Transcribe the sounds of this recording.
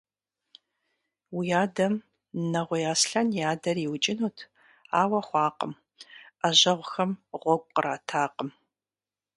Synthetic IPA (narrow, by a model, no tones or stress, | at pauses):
wijaːdɐm | nɐʁʷɔjaːsɬɐnjaːdɐriwt͡ʃʼɪnuːtʰ | a̰ːwɐχʷɑːqəm | ɐʑɐʁʷxɐmʁʷɔɡʷʼqəraːtʰaːqəm